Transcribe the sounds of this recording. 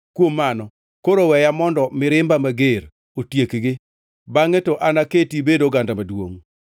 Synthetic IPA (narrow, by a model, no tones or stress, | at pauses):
kwomːanɔ | koɾowɛjamɔndɔmɪɾɪmbamaɡeɾ | otjekɡɪ | baŋetɔʔanaketibedoɡandamadwo̰ŋ